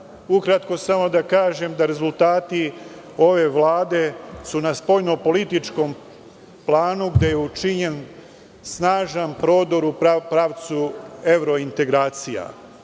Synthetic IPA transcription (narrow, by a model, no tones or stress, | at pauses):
ukɾat̪ko̞samo̞d̪akaːʒe̞md̪aɾe̞zult̪aːt̪i | o̞ʋe̞ʋlaːd̪e̞sunaspo̞jno̞po̞lit̪it͡ʃko̞m | plˠaːnuɡd̪e̞jeut͡ʃiɲe̞n | snaːʒanpɾo̞ːd̪o̞ɾupɾaːʋt̪sue̞ʋɾo̞int̪e̞ɡɾaːt̪sija̰